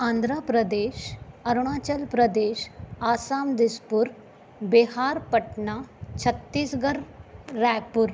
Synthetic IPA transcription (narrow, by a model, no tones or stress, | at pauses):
ãːnd̪ʱɾaːpɾɐd̪eːʃɐɾɽ̃aːt͡ʃəlpɾɐd̪eːʃaːsaːmd̪ɪspʊɾ | bɪɦaːɾpɐʈɳaːt͡ʃʰɐt̪ːiːsɡɐɾːɛːk̚pʊɾ